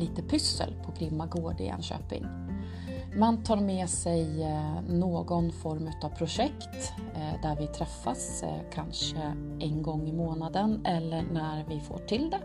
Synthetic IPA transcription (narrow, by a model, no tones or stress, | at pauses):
liːt̪əpʰʏsːə̰lpʰɔɡɾɪmːaɡoːɖɪ̰ɛ̰nɕø̰ːpɪ̰ŋ | mant̪ʰɑːɾmɛːsɛjnoːɡɔnfɔɾmʉ̟ːt̪avpʰɾʊʂɛkt̪ | d̪æɾvɪt̪ʰɾɛfːas | kʰanʂə | ʔɛnɡɔŋːɪmoːnad̪ənɛlːəɳæɾvɪfo̰ːʈʰɪld̪ɛ